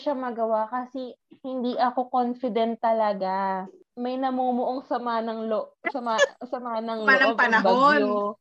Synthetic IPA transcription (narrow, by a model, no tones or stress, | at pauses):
ʃamɐɡɐwakɐsɛhɪnd̪iːʔɐko̞konfɪd̪ɛnt̪ːɐlɐɡa | mɐjnɐmoːmoʔoŋsɐmanɐŋloʔsɐmasɐmanɐŋlonɐobɐnɐbo